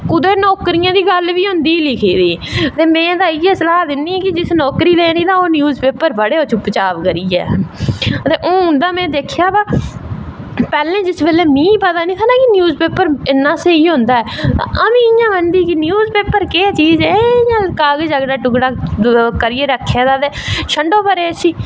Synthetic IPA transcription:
kʊd̪eːnɔːkɾɪjãːd̪iːɡəlʋiːɦʊ̃nd̪iːlɪkʰiːd̪iːt̪eːmɛ̃ːd̪aːɪjɛːsəlaːd̪ɪnːiːkɪd͡ʒɪsnɔːkɾiːleːniːt̪ãːoːnjuːzpeːpəɾbəɽeːoːt͡ʃʰʊpːt͡ʃaːbkəɾiːɛ̰ː | t̪eːʔõːɦʊ̃nd̪aːmɛ̃ːd̪eːkʰjaːbaː | pɛːlẽːd͡ʒɪsbeːleːmĩːpət̪aːnĩːt̪ʰaːnãːkɪnjuːzpeːpəɾɪnːãːsẽːiːɦʊ̃ːnd̪aːɛːã̰əmĩːɪjãːʋənd̪iːkɪnjuːzpeːpəɾkeːt͡ʃiːzɛjãːkaːɡd͡ʒəɡɖaːʈʊɡɽaːkəɾɪeːɾəkʰːeːd̪aːt̪eːʃʰəɳɖoːpəɾeːsiː

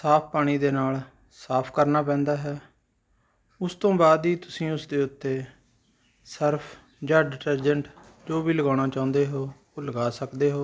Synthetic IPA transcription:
saːpʰpaːɽ̃iːd̪eːnaːl | saːpʰkəɾnaːp̬ɛ̃ːnd̪aːɦɛː | ʊst̪õːbaːd̪ɦiːt̪ʊsĩːʊsd̪eːʊt̪ːeː | səɾpʰ | d͡ʒaːɖɪʈəɾd͡ʒəɳʈ | d͡ʒoːbiːləɡaːɽ̃aːt͡ʃaːʊ̃nd̪eːɦoː | ləɡaːsəkd̪eːɦoː

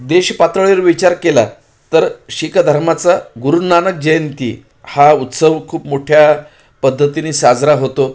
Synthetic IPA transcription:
d̪eɕpat̪ɾəɭiɾʋit͡ɕaɾkela̰ | t̪əɾɕikad̪ʱəɾmat͡saɡuɾunanək̚d͡ʑəjənt̪ḭ | haut̪səʋkʰuːpmoʈʰja | pəd̪ʱːət̪iniːsad͡zɾaɦot̪o

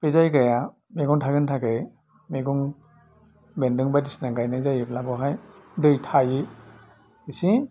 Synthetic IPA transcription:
pezajɡaja | meɡɔŋtʰaɡɯntʰakej | meɡɔŋ | bendɯŋbadisnaŋɡajnajzajɯblabɔɦajdɯjtʰajɯ | isi

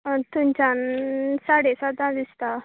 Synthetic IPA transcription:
t̪umt͡ɕãnsaɽesad̪ãd̪ist̪a

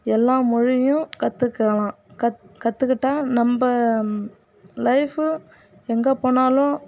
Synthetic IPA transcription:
ɛlːãːmʊɻɪjʊ̃kɐt̪ːɯkːeːlãː | kɐkɐt̪ːɯkːɪʈːãːnɐmbɐ | lɐɪfɯ | ɛŋɡɐpoːnaːlʊ̃

